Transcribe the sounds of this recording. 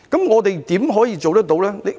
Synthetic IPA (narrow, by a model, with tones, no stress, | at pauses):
kɐ˨˥mŋɔː˨˧t̪e˨jt̪iː˨˥mɦɔː˨˥jiː˧t͡so˨wt̪ɐ˥t̪o˨˥wlɛː˦˥le˨˧